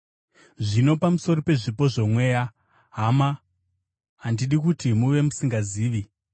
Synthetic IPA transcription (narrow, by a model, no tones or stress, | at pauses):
ʐino̞pamuso̞rope̞ʐipo̞ʐo̞mwe̞ːja | ɦama | andiɗikutimuʋe̞musiŋɡaziːʋi